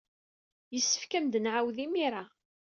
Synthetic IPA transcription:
jəsːə̥fkæmd̪ənʕawðimiɾa

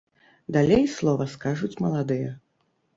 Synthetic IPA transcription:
d̪alʲejslˠɔvɐskaʐut͡sʲmɐlˠad̪ɨjɐ

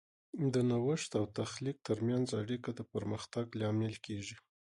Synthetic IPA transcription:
d̪ənawəʂt̪awt̪axlik̚t̪əɾmjanzaɽikad̪əpəɾməxt̪aɡlɑmelkeʒi

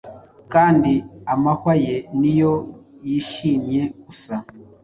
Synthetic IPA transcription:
kaːndiamahwaje̞nijo̞jiʃiːmɲe̞ɡusa

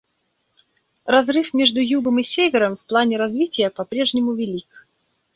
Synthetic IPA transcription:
rɐzrɨfmʲe̞ʐd̪ʊjuɡəmɨsʲevʲɪɾəmfplˠanʲɪɾɐzvʲitʲɪjəpɐpɾʲe̞ʐnʲɪmʊvʲɪlʲik

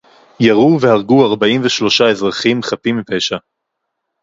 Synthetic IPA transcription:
jaʁuve̞haʁɡuaʁbaimveʃlo̞ʃae̞zʁaχimχatimːipeʃa

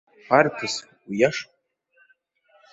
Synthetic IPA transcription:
arpʰɨs | ijaʂʼ

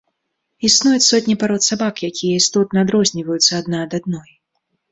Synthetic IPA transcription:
isnujut͡sʲsɔt̪ʲnʲipaɾɔt̪sabakjakʲijɛist̪ɔt̪̚nɐad̪ɾɔzʲnʲivɐjut̪sːɐːd̪naːd̪ad̪nɔj

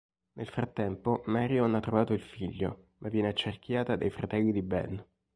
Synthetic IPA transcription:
nʔelfɾat̪ːɛmpomaɾjanat̪ːɾovaːt̪oilfiʎːo̰ | mʔavːjɛːneat͡ʃːerkʰjaːt̪ad̪ajfɾat̪ɛlːid̪ibɛ̰n

